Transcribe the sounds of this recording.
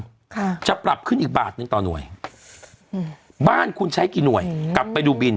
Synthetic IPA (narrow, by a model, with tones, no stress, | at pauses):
kʰt͡ɕa˨˩ʔpɾa˨˩p̚kʰɯ˥˩nʔiː˨˩k̚ba̰ː˨˩t̪̚nɯ˨˧ŋt̪ɔː˨˩nu˨˩əj | baː˥˩nkʰu˧nt͡ɕʰa˦˥jkiː˧nu˨˩əjkla˨˩pːa˧jduː˧bi˧n